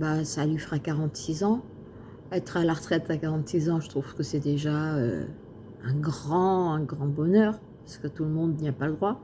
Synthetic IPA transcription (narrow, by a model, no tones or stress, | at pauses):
basalɥifəʁakaʁɑ̃t̪sizɑ̃ | ɛt̪χalaʁət̪χɛt̪akaʁɑ̃t̪sizɑ̃ʒət̪χuv̥kəsɛd̪eʒaø̰ | ɛ̃ɡʁɑ̃ɛ̃ɡʁɑ̃bɔnœːʁ | pasə̥kət̪uləmɔ̃d̪niapaləd̪ʁwa